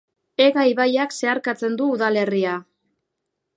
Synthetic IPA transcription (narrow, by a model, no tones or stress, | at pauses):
e̞ɣajβajakse̞aɾkat͡se̞nd̪uːðale̞ria